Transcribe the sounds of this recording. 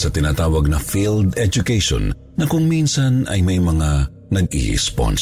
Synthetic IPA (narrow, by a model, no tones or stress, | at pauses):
sɐt̪ɪnaːt̪aːwɐɡ̚nɐfild̪ɛd͡ʒʊkɛjʃo̰n | nɐkʊŋminsɐnɐ̰jmɐjmɐŋa | nɐɡ̚ḭɛ̰spo̰ns